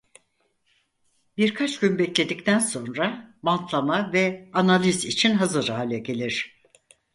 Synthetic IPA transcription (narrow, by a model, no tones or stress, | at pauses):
biɾkʰat͡ʃɟynbɛclʲe̞d̪ic̚t̪ʰænso̞nɾamant̪ʰlˠamavɛanalʲizit͡ʃʰinɦazɯɾaːlʲɛɟe̞lʲiɾ̥